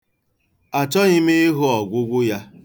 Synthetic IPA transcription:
a˨t͡ʃɔ˦ɣɪ˦me˦ɦʊ˦ɔ˨ɡʷʊ˦ɡʷʊ˦ja˦

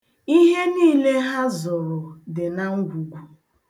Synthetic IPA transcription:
i˦ɦe˦niː˦le˦ɦa˦zʊ˨ɾʊ˨dɪ˨na˦ŋ̩˦ɡʷu˨ɡʷu˨

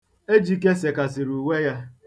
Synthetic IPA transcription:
e˦d͡ʒi˨k̬e˦se˨ka˨sɪ˨ɾu˨we˦ja˦

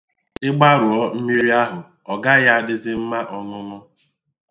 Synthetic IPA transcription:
ɪ˦ɡ͡ba˦ɾʊ˨ɔ˦m̩˦mi˦ɾi˦a˦ɦʊ˨ | ɔ˨ɡa˦ja˦a˨dɪ˦zɪ˦m̩˦ma˦ʔɔ˨nʊ˦nʊ˦

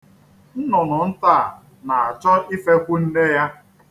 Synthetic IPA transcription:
n̩˦nʊ˨nʊ˨n̩˦ta˦˨ | na˨a˨t͡ʃɔ˦i˦fe˦kʷʊ˦n̩˦ne˦ja˦

